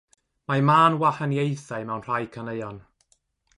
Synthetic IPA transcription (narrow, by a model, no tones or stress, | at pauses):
mamaːnwaħənjejθaɨmɛwnr̥ajkʰənejɔn